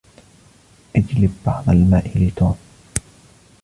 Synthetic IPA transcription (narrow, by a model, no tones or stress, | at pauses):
ʔɪd͡ʒlɪbːɑʕðˤɑlmaːʔɪlɪt̪uːm